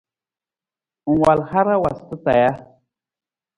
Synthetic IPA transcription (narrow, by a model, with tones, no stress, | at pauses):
u˨ŋwa˨lha˦ɾa˦wa˨st̪ɨ˦t̪a̰˨ja˦